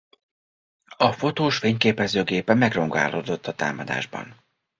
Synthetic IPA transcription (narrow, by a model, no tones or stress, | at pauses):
ɒfo̞t̪oːʃfeːɲkeːpɛzøːɡeːpɛmɛɡro̞ŋɡa̰ːloːd̪o̞t̪ːɒt̪a̰ːmɒd̪a̰ːʒbɒ̰n